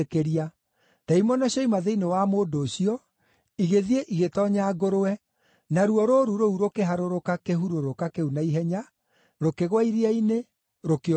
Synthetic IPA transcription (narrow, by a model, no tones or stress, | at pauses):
keɾia | taimɔnaɕɔimaðeinewamoːdoːɕiɔ | iɣeðieʔiɣetɔɲaːɡoɾoɛ | naɾuɔɾoɾuɾouɾokeɦaɾoɾokakeɦuɾoɾokakeunaiɦɛɲa | ɾokeɣwaiɾiaine | ɾoke